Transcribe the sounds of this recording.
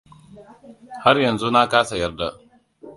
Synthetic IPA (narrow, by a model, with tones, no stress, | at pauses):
ha˦rjɐ˨nzu˦na˦kaː˦sa˨jɐ˦rda˨ʔ